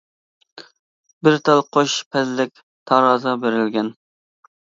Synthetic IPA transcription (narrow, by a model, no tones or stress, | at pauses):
bɪɾt̪ʰɑlˠqʰoʃpʰɛzlɪk̚ʲ | t̪ʰɑɾɑːzɑbeɾɪlɡʲɛn